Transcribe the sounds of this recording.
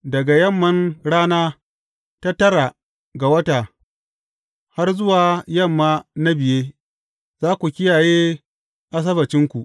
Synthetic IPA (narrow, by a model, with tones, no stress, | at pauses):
dɐ˨ɡa˨jɐ˦˨mːɐ˦nɽaː˦naː˦ | ta˦tɐ˦ɽa˨ | ɡa˨wɐ˦taː˨ | ha˦rzʊ˦waː˨jɐ˦˨mːaː˦na˦bɪ˨jeː˦ | z̥aː˦kʷu˨kʲɪ˦jaː˨jeː˦ | ʔa˦s̬ɐ˦bɐ˨t͡ʃɪ˦ŋkʷu˨ʔ